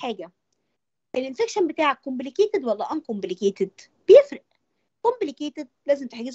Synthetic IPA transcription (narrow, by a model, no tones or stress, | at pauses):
ħaːɡæ | ʔelʔenfekʃænbet̪aːʕækːomblikeːt̪ed̪wɑlːæʔænkomblikeːt̪ed̪ | b̥ejefɾeʔ | komblikeːt̪ed̪̚læːzemt̪eħaɡez